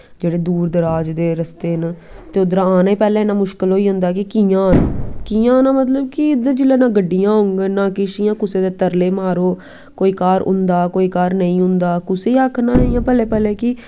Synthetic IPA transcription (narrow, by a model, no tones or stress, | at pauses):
d͡ʒeːɽeːd̪uːɾd̪əɾaːd͡ʒd̪eːɾəst̪eːnː | t̪eːʊd̪ɾãːaːneːpɛːlẽːnãːmʊʃkəlɦoːiːɦʊ̃nd̪aːkɪkiːjãːnkijãːnãːmət̪ləb̚kɪɪd̪əɾd͡ʒɪleːnãːɡəɖːijãːɦʊŋɡenãːkɪʃɪjãːkʊseːd̪eːt̪əɾleːmaːɾoː | koːiːkaːɾʊ̰̃nd̪aːkoːiːkaːɾnəĩːɦʊ̃nd̪aːkʊseːiaːkʰnãːnəĩjãːpɛːleːpɛːleːkɪ